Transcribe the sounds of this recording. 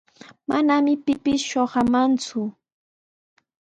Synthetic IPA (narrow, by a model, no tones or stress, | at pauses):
manamɪpɪpɪsʃoɢɑmant͡sʊ